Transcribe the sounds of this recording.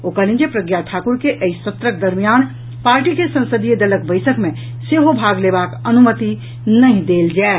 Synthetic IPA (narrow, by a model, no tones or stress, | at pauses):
okəlĩnd͡ʒepɾəɡjat̪ʰakuɾkeʔəist̪ət̪ɾək̚d̪əɾmijan | paɾʈikesə̃nsəd̪ʱijəd̪ələkbəɪsəkmẽ | seɦobʱaɡlebakənumət̪i | nəɦĩd̪eld͡ʒaɪ